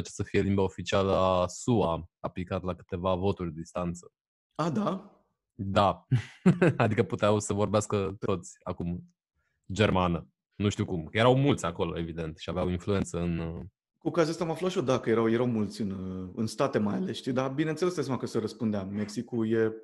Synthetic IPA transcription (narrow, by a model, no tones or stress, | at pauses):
at͡ʃe̥səfijelimbaofit͡ʃialəasuaaplikat̪lakɨ̥t̪e̞vavo̞t̪urʲd̪ed̪ist̪ant̪sə̥ | ad̪a | d̪a | ad̪ikəput̪eawsəvo̞rbeaskət̪o̞t̪sʲa̰kum | d͡ʒe̞rmanə | nuʃt̪iwkumjeɾawmult̪sʲako̞lo̞̰e̞vid̪e̞nt̪ʃiaveawinflue̞nt̪səɨn | kukaziast̪amaflat̪ʃod̪akəje̞ɾawje̞ɾawmult̪sʲɨnɨnst̪at̪e̞majalesʃt̪id̪abinent̪elesesamakəsəɾəspund̪eammeksikuje